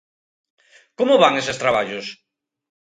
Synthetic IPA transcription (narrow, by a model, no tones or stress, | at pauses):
komoβaŋesest̪ɾaβaʎos